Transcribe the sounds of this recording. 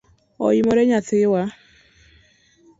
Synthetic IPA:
ɔ̰imɔɾɛɲaθɪwa

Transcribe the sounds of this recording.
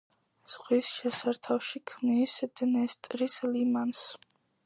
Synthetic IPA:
z̥ʁwisʃɛsaɾt̪ʰafʃikʰmnisd̪̥nɛst̪ʼɾislimans

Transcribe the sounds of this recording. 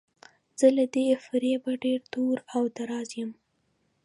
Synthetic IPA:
z̥əlad̪efɪɾebaɖeɾt̪oɾawd̪aɾɑzjəm

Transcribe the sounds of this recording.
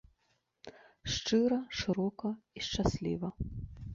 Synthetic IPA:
ʂt͡ʂɨɾɐʂɨɾɔkɐiʂt͡ʂasʲlʲḭvɐ

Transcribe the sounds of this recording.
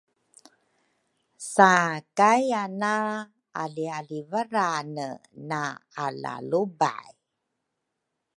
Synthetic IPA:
sakajana | alialivaɾanənaala̰luba̰j

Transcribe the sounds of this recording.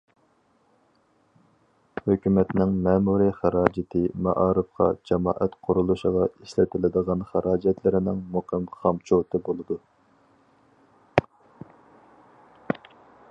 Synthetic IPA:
høkʲymɛt̪nɪŋmɛːmuɾiχæɾɑːd͡ʒɪt̪ʰɪmɑ̰ʔɑːɾɨfqʰɑ̰d͡ʒɑmɑ̰ːʔɛt̪qʰʊɾulˠuʃəʁɑiʃlɪt̪ʰɪlɪd̪əʁɑnχæɾʔɑːd͡ʒɛt̪ʰlɪɾɪnɪŋmuqʰəmχɑmt͡ʃʰot̪ʰɨbolˠɨd̪u

